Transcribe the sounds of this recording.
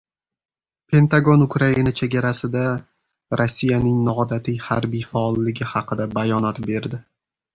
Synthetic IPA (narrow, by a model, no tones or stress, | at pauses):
pʰe̞nt̪aɡo̞nʊkʰɾainat͡ʃʰe̞ɡʲaɾasɪd̪a | ɾʔosːijanɪŋnɒɒd̪at̪ʰɪjhaɾbijfaɒlˠːɪɡʲɪhɑqʰɨd̪abajɒnɒt̪be̞ɾd̪ɪ